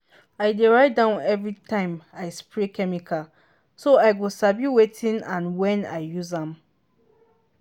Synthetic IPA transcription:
aɪdeɹaɪtdãʊ̃nɛvɹitʰãɪ̃maɪspɹekɛmikʰal | soaɪɡosabjuwetʰĩnãnwɛ̃na̰ɪjuzãm

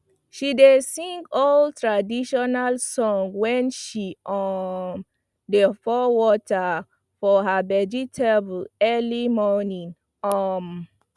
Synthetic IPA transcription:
ʃidesĩŋɡɔltɹadiʃɔnalsɔ̃ŋɡwɛ̃nʃiʔɔ | defɔwɔta | fɔɦabɛd͡ʒitʰɛblɛlimɔnĩn | ɔm

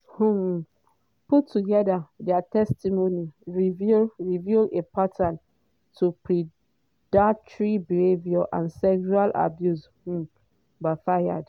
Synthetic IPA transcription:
hũ | putʰːuɡɛdadatɛstimoniɹivɹivjulepʰatʰãn | tʰupʰɹi | datɹibihevjɔʔã̰nsɛkʃualʔa̰bjushũ | bafaja̰d

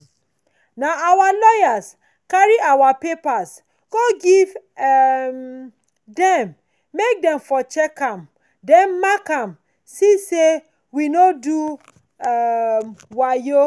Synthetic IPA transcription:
naawalɔjas | kaɹiawapepas | ɡ̥oɡiv | m | dɛ̃mː | ek̚dɛ̃mfɔt͡ʃɛkãm | dɛnːakãm | sise | winodu | wajo

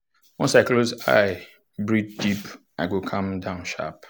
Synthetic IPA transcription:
wɔ̃nsaɪkloza̰ɪ | bɹid͡ʒdip | aɪɡokʰãmdãʊ̃nʃa̰p

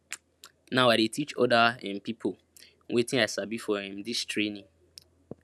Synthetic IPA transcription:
naʊaɪɾetʰit͡ʃɔdaɛ̰̃npipʰo | wʔetɪ̃aɪsabifɔɦhĩmdistɾenĩŋ

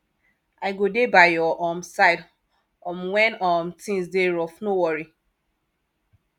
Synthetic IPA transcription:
aɪɡodebaɪjɔʔɔmsaɪd | ɔ̃mwɛ̃nɔmtĩŋsdeɹɔfnowɔɹi

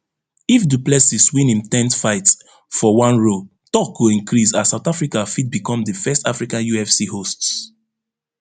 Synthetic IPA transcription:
ifduplɛsiswĩnĩmtɛ̃ntfaɪt | fɔwãnɹo | tɔk̚ɡuĩnkʰɹisasaʊtafɹikafit̚bikɔ̃mdəfɛstafɹikãnjuɛfsihosts

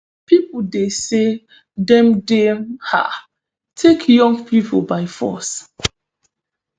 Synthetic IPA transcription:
pip̩dese | dɛ̃mdeha̰ | tʰekʰjɔ̃ŋɡpʰipʰo̰baɪfɔ̰s

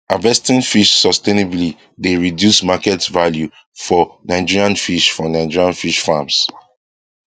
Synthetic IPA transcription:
avɛstĩnfiʃsɔstenibli | deɹidjusmakɛtvalju | fɔnaɪd͡ʒiɹiãnfiʃfɔnaɪd͡ʒiɹiãnfiʃfams

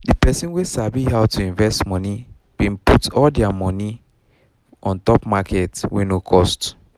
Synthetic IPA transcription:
dipɛsĩnwesabihaʊtuĩɱvɛstmɔ̃ni | b̥ĩnputɔldɛamɔni | ʔɔ̃ntɔpmakɛtwɛ̃nokʰɔst

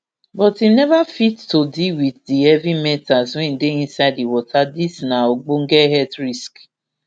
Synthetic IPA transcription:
bɔtinɛvafitːodiwiθdiɛvimɛ̃tazʊ̃ĩn̩deĩnsaɪdiwɔtʰadisnaoɡ͡boŋ̩ɡɛɦɛtɾisk

